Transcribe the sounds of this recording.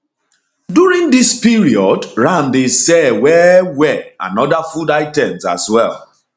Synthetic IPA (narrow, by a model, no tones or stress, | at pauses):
duɹĩŋdispiɹiɔdɹãndesɛwɛwɛa̰nɔdafudaɪtɛ̃msa̰swɛlˠ